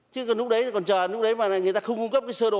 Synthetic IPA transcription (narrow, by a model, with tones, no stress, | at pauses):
t͡ɕɨ˨˦˨lʊ˦˥k̚ɗə˨˦jkɔ˨˩nt͡ɕəː˨˩˨lʊ˦˥k͡p̚ɗə˨˦jmaː˨˩a˨˩ŋɨ˨˩əjt̪aː˧xə˧wŋ͡mku˧ŋ͡mkə˦˥p̚kaː˨˦jsəː˧ɗo˨